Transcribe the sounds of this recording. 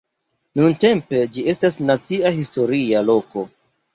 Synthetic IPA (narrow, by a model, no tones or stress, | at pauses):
nunte̞mpe̞d͡ʒie̞stasnat͡siaɦisto̞ɾialo̞ko̞